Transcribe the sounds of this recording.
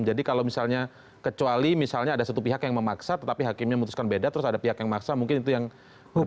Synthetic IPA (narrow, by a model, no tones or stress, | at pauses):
md͡ʒadikalowmisalɲa | kət͡ʃualimisalɲaːdasat̪upiɦakjaŋməmaksat̪ət̪apiɦakɪmɲaməmut̪u̥skanbedat̪əɾʊsadapiɦakjaŋmaksamuŋkɪnit̪ujaŋ